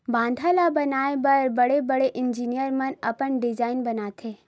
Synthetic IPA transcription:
bãːnd̪ʱalabɐnaːebɐɾbɐɽebɐɽeʔɪnd͡ʒiːnijəɾmɐnɐpəɳɖɪd͡ʒaːɪnbɐnat̪ʰeː

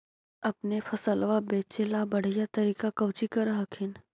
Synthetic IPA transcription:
ɐpnefʰɐsəlʋabeːt͡ʃelabɐɽ̤ijat̪ɐɾiːkakɐʋt͡ʃikɐɾɐɦəkʰɪn

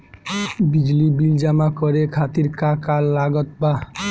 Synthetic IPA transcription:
bid͡ʑlibild͡ʒamakɔɾekʰat̪iɾkakalːaɡɔt̪̚ba

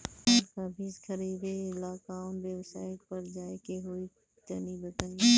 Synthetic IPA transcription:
kaːbiːskʰəɾiːbeːlaːkãːnbeːʋsa̰ːɪʈpəɾd͡ʒaːekeɦoːi | t͡ʃəniːbət̪ən

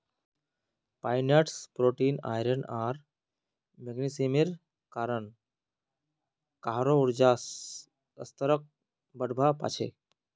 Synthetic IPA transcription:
paːjneʈspɾoːʈiːna̰jɾənaɾ | meɡnisimiɾ | kaːɾən | kaɦɾouɾd͡ʒaːs | əst̪əɾək̚ | bəɽbʱapa̰ːt͡ʃʰḛ

